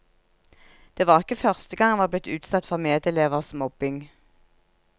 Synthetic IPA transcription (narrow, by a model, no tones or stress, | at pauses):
d̪̥eːʋɑːʁɪkəfœʁst̪əɡɑŋʋɑːblɪt̪ʰʉːt̪sɑt̪fɔʁmeːd̪əleːʋəʁsmɔb̥ɪŋ